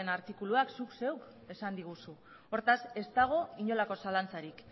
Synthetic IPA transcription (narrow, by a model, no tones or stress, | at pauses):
enaɾt̪ikuluaksukse̞wk | e̞sand̪iɣ̞usu | o̞ɾt̪ase̞st̪aɣ̞o̞iɲo̞lako̞salant͡saɾik